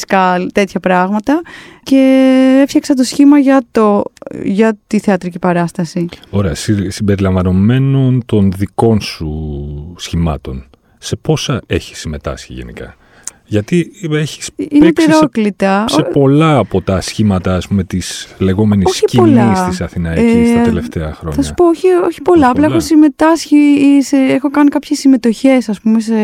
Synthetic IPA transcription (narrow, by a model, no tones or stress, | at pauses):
skɐlt̪e̞t̪çɐpɾɐɣmɐt̪ɐce̞efçɐksɐt̪̬osçimɐʝɐt̪oʝɐt̪iθeɐt̪ɾicipɐɾɐst̪ɐsio̞ɾeɐsisimbe̞ɾilɐɱvɐno̞me̞no̞nt̪o̞nðiko̞nsusçimɐ̰t̪o̞n | se̞po̞sɐe̞çi̥sːime̞t̪ɐ̰sçḭʝe̞̰nḭkɐ̰ | ʝɐt̪ieçi̥sinekpiɾoklit̪ɐosepo̞lɐːpo̞t̪ɐsçimɐt̪ɐːspume̞t̪isle̞ɣo̞me̞nissoçipolɐist̪isɐθinɐest̪ɐt̪left̪e̞ɐxɾo̞ɲːɐsɐ̥pooçioçi̥po̞lɐɐplɐexosime̞t̪ɐsçiseexo̞kɐnikɐpçesːime̞t̪o̞çe̞sɐspume̞se